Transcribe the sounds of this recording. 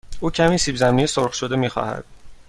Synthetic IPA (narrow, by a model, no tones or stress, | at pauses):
uːcʰæmiːsiːbzæmnijesoɾχʃod̪e̞miːxɒ̰ːhæ̰d̪̥̚